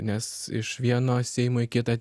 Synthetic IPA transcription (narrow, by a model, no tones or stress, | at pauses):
nʲɛs | ɪ̰ʃʋʲiɛnoːsʲɛɪmoɪkʲɪt̪ɑ